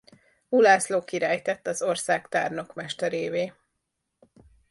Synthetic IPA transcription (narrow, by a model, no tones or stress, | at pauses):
vulaːsloːkiɾaːjt̪ɛt̪ːɒzorsaːkt̪aːrno̞kmɛʃt̪ɛɾeːveː